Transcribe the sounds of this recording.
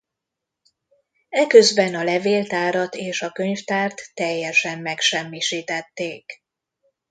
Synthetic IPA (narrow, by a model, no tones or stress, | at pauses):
ɛkøzbɛnɒlɛveːlt̪aːɾɒt̪eːʃɒkø̞ɲft̪aːrt̪ːɛjːɛʃɛmːɛkʃɛmːiʃiːt̪ɛt̪ːeːk